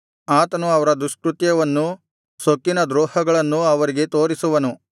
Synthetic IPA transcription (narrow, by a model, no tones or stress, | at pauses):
aːt̪ɐnuɐʋɐɾɐd̪ɾuskɾut̪jɐʋɐnːu | sokːinɐd̪ɾɔːhɐɡɐɭɐnːuɐʋɐɾiɡe̞t̪oːɾisuʋɐnu